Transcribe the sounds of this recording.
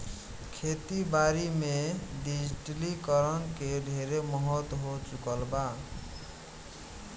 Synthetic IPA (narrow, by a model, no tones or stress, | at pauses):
kʰet̪ibaɾimeɖid͡ʒiʈlikʌɾʌnkeɖʱeɾemʌɦət̪ɦot͡ʃukʌlba